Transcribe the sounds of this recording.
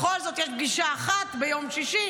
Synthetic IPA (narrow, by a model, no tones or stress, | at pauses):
xolzo̞t̪jɛʃɡiʃaːχat̪bejo̞mʃiʃi